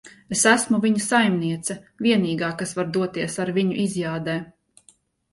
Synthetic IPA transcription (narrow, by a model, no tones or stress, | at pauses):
esæsmuvʲiɲusajmniɛt̪sɐ | vʲiɛniːɡaːkasvaɾd̪uɔt̪iɛsaɾviɲuʔizjaːd̪ɛː